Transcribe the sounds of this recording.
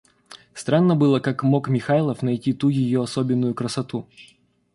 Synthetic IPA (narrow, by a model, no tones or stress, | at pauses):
st̪ɾanːəbɨlˠəkakmo̞kmʲɪxalˠəfnɐjtʲit̪ujɪjoɐsobʲɪnːʊjʊkɾəsɐt̪u